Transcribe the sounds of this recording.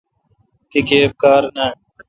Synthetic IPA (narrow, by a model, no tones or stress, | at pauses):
t̪ikeːp̚kaːɾnaː